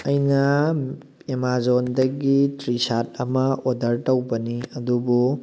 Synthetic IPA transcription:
ɐjnɐ | emazondɐɡitɾisat̚ɐmɐodɐɾtɐwbɐniɐdubu

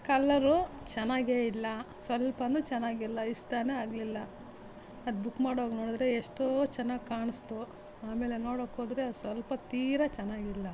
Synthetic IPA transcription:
kɐlːɐɾut͡ʃɛnːaːɡeːilːɐsʋɐlpɐnut͡ʃɛnːaːɡilːɐiʂt̪aːneaːɡɐlilːɐ | ɐd̪bukːmaːɽoːɡnoːɽd̪ɾeːʂʈot͡ʃɛnːaːɡkaːɳust̪u | aːme̞ːle̞noːɽokoːd̪ɾeɐd̪usʋɐlpɐt̪iːɾɐt͡ʃɛnːaːɡilːɐ

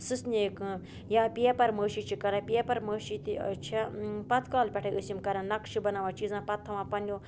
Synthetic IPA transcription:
sɨsneːkɨ̃ | jaːpiepɐɾməːʃiːt͡ʃʰikɐɾɐpʲiepɐɾməːʃit̪it͡ʃʰipɐt̪ʰkaːlpʲɛʈʰɐʔɨsimkɐɾãnɐkʃibɐnaːʋãːt͡ʃiːzãːpɐt̪ʰːɐʋãːpɐnjoː

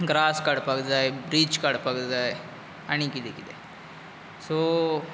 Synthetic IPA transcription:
ɡɾaːskaːɽpaɡd̪ajbɾiːt͡ʃkaɽpaɡ̪d̪aː | ɐɳikid̪ikid̪e | so

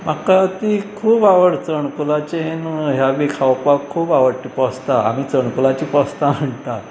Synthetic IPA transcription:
m̤akat̪ikʰuːbaʋəɽt͡səɳkulat͡ɕeɦenɦjaʋikʰaʋpakʰːuːbaʋəɽt̪ipəst̪aa̰miːt͡səɳkulat͡ɕiːpəst̪am̤əɳt̪a

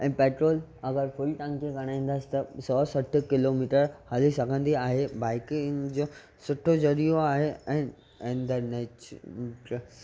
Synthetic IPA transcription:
ɛ̃ːpeːʈɾoːlɐɡəɾfʊlʈãːŋkẽɡɐɽ̃aːĩːnd̪aːsi̥t̪ɐsɔːsɐʈʰʊ̆kɪloːmiːʈəɾhaːlisɐɡʱə̃nd̪iaːɦebaːɪkŋd͡ʑoː | sʊʈʰod͡ʑɐɾijoaːɦeɛ̃ː | ẽːnd̪əɾnet͡ɕʈ

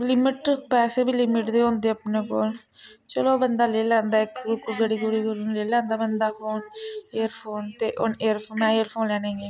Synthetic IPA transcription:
lɪmɪʈpɛːseːbiːlɪmɪʈd̪eːɦõːnd̪eːəpneːkoːl | t͡ʃəloːbənd̪aːleːlãːnd̪aːɪkːʊkɡəɽiːɡʊɽiːɡolːnleːlãːnd̪aːbənd̪aːpʰoːneːəɾpʰoːnt̪eːʔoneːəɾpʰoːmɛ̃ːeːəɾpʰoːnlɛːnẽːɡeː

